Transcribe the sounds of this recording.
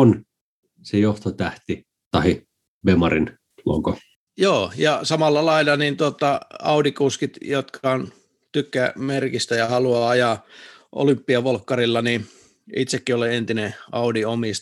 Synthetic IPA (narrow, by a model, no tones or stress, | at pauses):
on | sejoht̪ot̪æht̪i | t̪ɑhi | bemɑrin | lo̰ko | joːjɑsɑmɑlːɑlɑilːɑnint̪uot̪ːˑɑɑ̰udikuskit̪jot̪kʰɑon | t̪ykːæmerkist̪æjɑhɑluɑːɑjɑʔo̰lympːiɑʋolkːɑrilːɑni | it̪sekːioleent̪ineɑudiomist̪